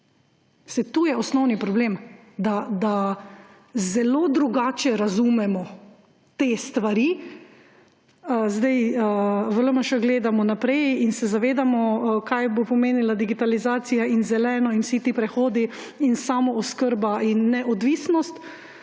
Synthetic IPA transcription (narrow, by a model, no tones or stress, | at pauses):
sɛt̪uːjɛɔsnɔwnipɾɔbleːm | d̪ad̪a | zɛloːd̪ɾuɡaːt͡ʃɛɾazumɛmɔ | t̪eːst̪ʋaɾi | zd̪ajəvələməʃəɡleːd̪amɔnapɾɛjinsɛzaʋeːd̪amɔkajbopɔmeːnilad̪iɡit̪alizaːt̪sijainzɛlɛːnɔinwsit̪ipɾɛxoːd̪i | insamɔɔskəɾbainːɛʔɔd̪ʋiːsnɔst̪